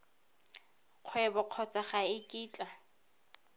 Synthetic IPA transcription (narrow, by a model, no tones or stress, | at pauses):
q͡χʰwɛbɔq͡χʰɔt͡sʼaχaɪkʼiːt͡ɬʼa